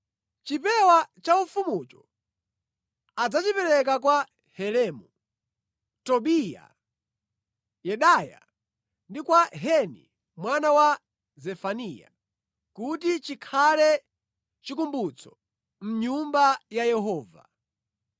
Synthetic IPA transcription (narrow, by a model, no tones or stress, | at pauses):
t͡ʃipɛwat͡ʃaufumut͡ʃɔ | ad͡zat͡ʃipɛɾɛk̬akwa | hɛlɛmu | tɔɓija̰ | jɛɗaja̰ | ndikwaɦɛnḭ | mwanawa | zɛfanija̰ | kutit͡ʃikʰalɛ | t͡ʃikumbut͡sʰɔ̥ | m̩ɲumbajajɛɦɔːva